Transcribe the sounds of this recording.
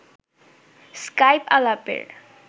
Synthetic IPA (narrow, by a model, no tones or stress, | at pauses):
skajpalapḛɾ